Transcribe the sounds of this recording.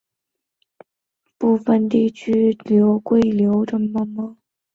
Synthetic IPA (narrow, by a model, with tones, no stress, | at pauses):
pu˥˩fə˨˧nt̪i˥˧t͡ɕʰy˥ljo˧˥ʊkwe˥˩ɪljo˧˥ʊʈ͡ʂə˥˩mə˧mə˧˩